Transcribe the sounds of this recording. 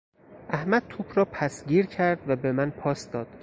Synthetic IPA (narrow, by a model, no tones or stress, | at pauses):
ʔæhmæd̪̚t̪ʰuːpʰɾɒːpʰæsɟiːɾcʰæɾd̪væbe̞mænpʰɒːsd̪ɒːd̪̥